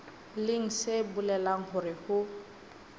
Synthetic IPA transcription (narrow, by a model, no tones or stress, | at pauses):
lɪŋ̩sɪbulɛlaŋ̩hʊɾɪhʊ